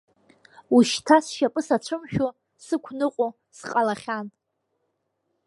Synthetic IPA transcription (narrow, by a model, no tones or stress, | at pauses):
uʃtʰasʃapʼɨsat͡ɕʷʰɨmʃᶣo | sɨkʷʰnɨqʷʼo | sqʼalaχʲan